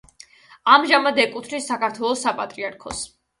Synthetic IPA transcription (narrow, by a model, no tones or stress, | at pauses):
amʒamad̪ɛkʼut̪ʰɾisːakaɾt̪ʰwɛlˠɔsapʼat̪ʼɾiaɾkʰɔs